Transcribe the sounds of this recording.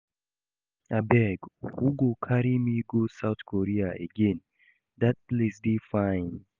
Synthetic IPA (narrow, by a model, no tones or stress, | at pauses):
abɛɡhuɡokʰaɾimiɡosaʊθkʰɔɹiaḛɡẽn | dat̚plesdifãɪ̃n